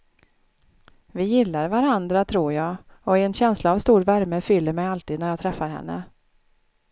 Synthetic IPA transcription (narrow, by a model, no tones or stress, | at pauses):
vɪjɪlːaɾvaɾand̪ɾat̪ʰɾuːɾjɑːɔɛnɕɛnslaːvst̪uːɾvæɾməfʏlːəɾmɛjalt̪iːd̪næɾjɑːt̪ʰɾɛfːaɾhɛ̰nːə̰